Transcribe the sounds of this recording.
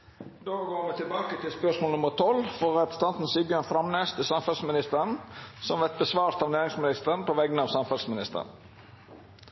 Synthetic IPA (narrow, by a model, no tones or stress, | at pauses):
d̪oːɡoːmɛt̪ʰɪlbɑːkət̪ʰɪlspœʂmoːlnʊməɾt̪ʰɔlfɔʁɛpɾəsn̩t̪ɑnt̪n̩siːbjøːnfɾɑmneːst̪ʰɪlsɑmfɑlsmɪnɪst̪əɾənsɔmʋɛt̪̚bəsʋɑːɾst̪ʰɑʋneːɾɪŋsmɪnɪst̪ənpoʋɛɡənɑːʋsɑmfɑlsmɪnɪst̪ə̰n